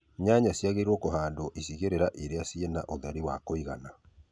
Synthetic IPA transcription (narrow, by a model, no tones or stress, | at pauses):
ɲaɲasjaɣeiɾwɔkoɦaːndoʔisiɣeɾeɾaʔeɾeasienaʔoðaɾiwakoiɣana